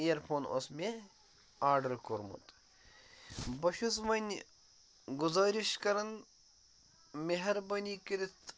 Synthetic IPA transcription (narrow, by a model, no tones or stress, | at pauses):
ijɐɾpʰoːnʔo̰smʲe | aːɾɖɐɾkoɾmṵt̪ | bɐʃus̬ʋɐnʲ | ɡʊzaːɾiʃkɐɾɐn | meɦɐɾbɐnʲiːkiɾit̪